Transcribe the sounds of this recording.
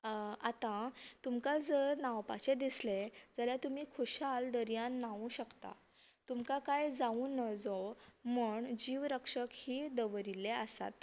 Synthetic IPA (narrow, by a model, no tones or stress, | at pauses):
at̪ãt̪umkad͡zəɾnawpat͡ɕed̪isled͡zaljat̪umiːkʰuɕald̪əɾjãnːaʋũɕəkt̪a̰ | t̪umkakajd͡zaunːəd͡zɔməɳd͡ʑiʋɾəkʂəkhiːd̪əʋɾileəsa̰t̪